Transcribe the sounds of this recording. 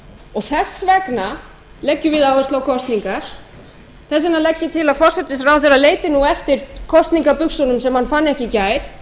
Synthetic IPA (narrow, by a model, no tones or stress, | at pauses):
ɔɣθɛsːvɛkna | lɛcːʏvɪðawɛslawkʰɔst̪niŋkaɾ̥ | θɛs̬ɪnalɛcːɪt̪ʰɪlaðfɔr̥sɛt̪ːɪsɾawθɛrːaleːjt̪ɪnuɛft̪ɪɾ̥kʰɔst̪niŋkapʏksɔnʏmsɛmhanfanːɛhcɪcaːjɾ̥